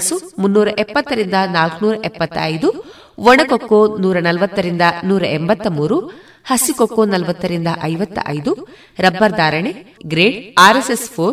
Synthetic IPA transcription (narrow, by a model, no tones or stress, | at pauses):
sumunːuːɾɐʔɛpːɐt̪ːɐɾind̪ɐnaːlknuːɾɐʔɛpːɐt̪ːɐɐjd̪u | ʋɔɳɐkokːonuːɾɐnɐlʋɐt̪ːɐɾind̪ɐnuːɾɐʔembɐt̪ːɐmuːɾu | hɐsikokːonɐlʋɐt̪ːɐɾind̪ɐʔɐjʋɐt̪ːɐ̰ʔɐ̰jd̪u | ɾɐbːɐɾd̪aːɾɐɳeɡɾeːɖaːɾesespʰoː